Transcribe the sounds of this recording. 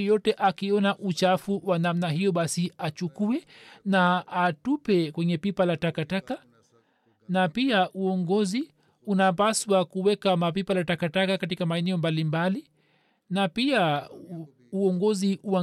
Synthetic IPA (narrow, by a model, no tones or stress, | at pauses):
jɔtɛʔakiɔnaʔut͡ʃafuwanamnaɦijɔɓasiat͡ʃukuɛnaatupɛkwɛɲɛpipalatakataka | napiaʔuɔŋɡɔzi | unap̬aswakuwɛkamapipalatakatakakatikamaɛnɛɔmbalimbali | napia | uɔŋɡɔziua